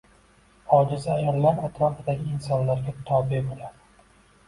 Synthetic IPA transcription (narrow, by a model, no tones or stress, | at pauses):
ɒd͡ʒɪzɪajɒlːaɾat̪ʰɾɒfɪd̪aɡʲɪːnsɒnlaɾɡʲat̪ʰɒbɪbolad̪ɪ